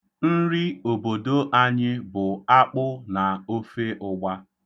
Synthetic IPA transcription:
n̩˦ɾi˦o˨bo˨do˦ʔa˦ɲɪ˦bʊ˨a˦k͡pʊ˦na˨o˦fe˦ʔʊ˦ɡ͡ba˦

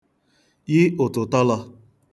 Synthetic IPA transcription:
jɪ˦ʊ˨tʊ˨tɔ˦lɔ˧

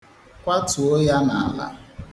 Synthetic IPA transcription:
kʷa˦tu˨o˦ja˦na˨a˨la̰˨

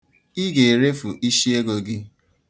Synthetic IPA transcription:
i˦ɡe˨ɾe˦fu˨ʔi˦ʃi˦e˦ɡo˨ɡɪ˦

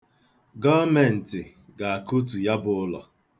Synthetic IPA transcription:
ɡɔ˦me˨n̩˨tɪ˨ | ɡa˨a˨ku˦t̬u˨ja˦bʊ˨ʊ˦lɔ̰˨

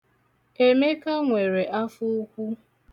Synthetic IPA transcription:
e˨me˦ka˦ŋʷe˨ɾe˨ʔa˦fʊ˦kʷu˦

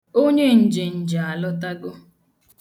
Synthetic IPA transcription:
o˦ɲe˦n̩˨d͡ʒe˨n̩˨d͡ʒa˨a˨lɔ˦ta˦ɡʊ˦

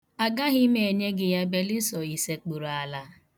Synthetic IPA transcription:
a˨ɡa˦ɣɪ˦me˨e˨ɲe˦ɡɪ˨ja˦be˦li˦sɔ˨i˨se˦k͡pu˨ɾa˨la˨˦

